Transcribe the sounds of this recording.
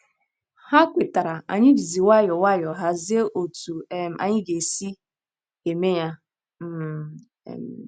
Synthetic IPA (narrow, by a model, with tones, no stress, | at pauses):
ha˦kʷe˨ta˨ɾa˨a̰˨ɲɪ˦d͡ʒi˨zi˨wa˦˨jɔ˨wa˦jɔ˨ɦa˨zɪ˦e˦ʔo˨tu˨˦m˨˦ʔa̰˨ɲɪ˦ɡe˨si˦ | ɡe˨me˦ja˦ | m̩̰˦˨ | m˨